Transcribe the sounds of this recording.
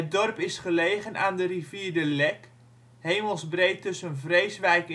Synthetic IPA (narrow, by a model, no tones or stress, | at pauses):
ət̚dɔrpɪsχəleːɣənʔaːndəriviːrdəlɛk | heːməlˠzbrejtɵsənvrejsʋɛjk